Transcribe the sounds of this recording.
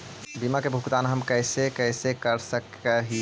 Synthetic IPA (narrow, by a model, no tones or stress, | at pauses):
bimakebʱukt̪anɦəmkəɪsekəsekəɾsəkəɦi